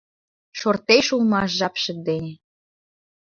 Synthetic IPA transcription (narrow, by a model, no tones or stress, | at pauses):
ʃort̪eʃulmɑʃʒɑpʃə̆d̪enʲĕ